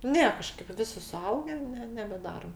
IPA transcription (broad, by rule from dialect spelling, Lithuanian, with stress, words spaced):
ˈnʲɛ ˈkɑːʃkɐɪp ˈʋʲɪsʲɪ sʊˈɐʊɡʲɛ nʲɛ nʲɛbʲɛˈdɑːroːm